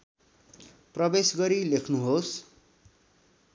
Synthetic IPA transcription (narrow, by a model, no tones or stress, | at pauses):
prʌbesɡʌɾilekʰnuɦos